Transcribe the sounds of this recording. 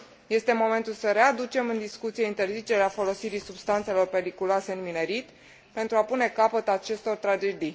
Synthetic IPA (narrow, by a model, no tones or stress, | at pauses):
je̞st̪e̞mo̞me̞nt̪ulsəɾe̞ad̪ut͡ʃe̞mɨnd̪iskut̪sije̞int̪e̞rzit͡ʃe̞ɾeafo̞lo̞siɾisubst̪ant̪se̞lo̞rpe̞ɾikuloase̞ɨnmine̞ɾit̪ | pe̞nt̪ɾuapune̞kapət̪at͡ʃe̞st̪o̞rt̪ɾad͡ʒe̞d̪ij